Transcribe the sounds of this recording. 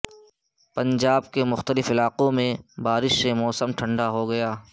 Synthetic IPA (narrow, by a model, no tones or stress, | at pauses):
pɐ̃ɲd͡ʒaːbkemʊxt̪əlɪfɪlaːqõmẽbaːɾɪʃsemɔːsəmʈʰɐ̃ɳɖaɦoɡɐjaː